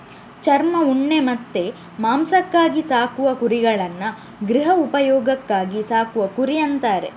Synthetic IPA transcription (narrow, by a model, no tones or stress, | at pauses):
t͡ʃɐɾmɐuɳːe̞mɐt̪ːe̞ | maːmsɐkːaːɡisaːkuʋɐkuɾiɡɐɭɐnːɐ | ɡɾiɦɐupɐjɔːɡɐkːaːɡisaːkuʋɐkuɾijɐnt̪aːɾe̞̰